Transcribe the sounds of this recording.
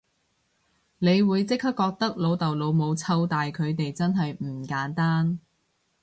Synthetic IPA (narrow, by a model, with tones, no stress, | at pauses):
ne˨˧jwuː˨˧jt͡sɪ˥k̚hɐ˥p̚kːɔː˧k̚t̪ɐ˥k̚lo˨˧wt̪ɐ˨wlo˨˧wmo˨˧wt͡sʰɐ˧wt̪aː˨jkʰɵ˨˧ɥt̪e˨jt͡sɐ˥nɦɐ˨jm̩ː˨˩kaː˨˥nt̪aː˥n